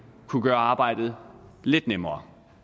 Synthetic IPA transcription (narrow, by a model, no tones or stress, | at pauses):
kʰuɡ̥ɶːɐɑ̈ːb̥ɑ̈ɪ̰d̥ð̞̩ˠle̝d̥nemɐː